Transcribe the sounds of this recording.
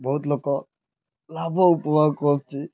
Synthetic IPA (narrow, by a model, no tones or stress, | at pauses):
bɔɦut̪lokɔ | labɔupɔmakɔs̚t͡ʃʰi